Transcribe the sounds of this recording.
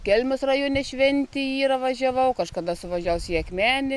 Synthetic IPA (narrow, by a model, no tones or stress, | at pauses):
kʲɛlʲmʲʊsrɐjoːnʲɛʃʲʋʲɛnʲt̪ʲɪiːɾɐʋɐʒʲɛʋɐʊkɐʃkɐd̪ɐsʊʋɐʒʲæwʊsʲiɛkmʲæːnʲɪ